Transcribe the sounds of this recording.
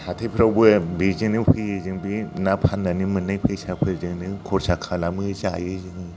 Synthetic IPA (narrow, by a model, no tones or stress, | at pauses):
hatʰajpʰɾawbɯbizɯŋnɯɸʰɯjɯzɯŋbinapʰanːanimɯnajpʰɯjsapʰɯɾzɯŋnɯkʰɔɾsakʰalamɯzajɯzɯŋɯ